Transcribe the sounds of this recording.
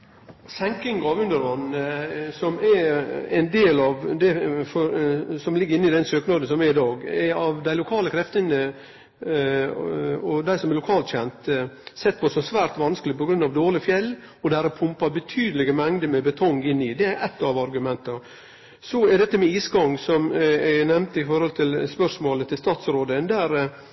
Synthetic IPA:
sɛŋkɪŋɡɑʋʉnd̪əɾʋɑnsɔmɛɛ̰nd̪eːlɑʋd̪ɛfɔɾsɔmlɪɡːɾɪnːɪd̪ɛnsøːknɑːd̪n̩sɔmɛɾɪd̪ɑːɡɛɑʋd̪æɪlʊkʰɑːləkʰɾɛft̪ənə | ɔd̪æɪsɔmɛɾlʊkʰɑːlt̪ɕçɛnt̪sɛt̪ːpʰɔsɔsʋæːɾt̪ʋɑnskəlɪpɔɡɾʉnːɑʋd̪oːlɪfjɛlː | ɔd̪æːɾɛpʰʊmpɑbət̪ʰyːd̪əlɪɡəmɛŋd̪əmɛbət̪ʰɔŋːɪnːɪd̪ɛæɾʔɛt̪ːɑʋɑɾɡʉmɛnt̪ɑ | sɔɛd̪ɛt̪ːəmɛiːsɡɑŋsɔmɛnɛmnt̪ɪfɔɾhɔlt̪ʰɪlspœʂmoːlət̪ʰɪlst̪ɑːt̪sɾoːd̪ənd̪æːɾ

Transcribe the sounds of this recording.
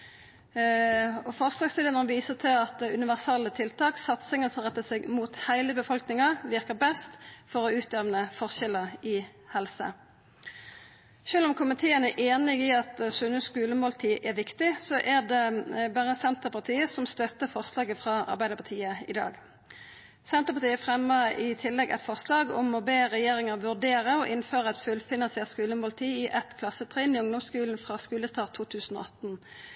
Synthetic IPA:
ɔfɔʁslɑːɡst̪ɪlənɔʁʋiːsəʁt̪ʰɪlɑt̪̚d̪ɛʉnɪʋæʁsɑlːət̪ʰɪlt̪ʰɑːksɑt̪sɪŋənsɔmʁɛt̪ːəsɛɡmuːt̪hæɪləbəfɔlknɪŋɑʋɪʁkəʁbɛst̪fɔʁɔʉːt̪̚ɛʋnəfɔʁʃɛləɪ | hɛlsə̰ | ʃøːlɔmkʰʊmɪt̪ʰeːənæʔeːnɪɡɪɑt̪sʉnəskʉːləmoːlt̪ʰiːʔɛʁʋɪkt̪ɪsɔʔæʁd̪ɛbæːʁəsɛnt̪əʁpʰɑt̪ʰiːəsɔmst̪œt̪əfɔʁslɑːɡəfʁɑːɑ̰ʁbæɪd̪əʁpʰɑt̪ʰiːəɪd̪ɑ̰ːɡ | sɛnt̪əʁpɑʁt̪ʰiːəfʁɛmːəɪt̪ʰɪlːɛɡʔɛ̰t̪fɔʁslɑːɡɔmɔbeːʁɛjeːʁɪŋəʁʋʉʁd̪eːʁəɔʔɪnføːʁəɛt̪fʉlfɪnɑnsɪɛt̪skʉːləmʊlt̪ʰiːɪʔɛt̪kʰlɑsət̪ʰʁɛːnɪʊŋd̪ɔmskʉːln̩fʁɑːskʉːləst̪ɑːʁt̪ʰːuːt̪ʰʉːsn̩o̰ːɑt̪n

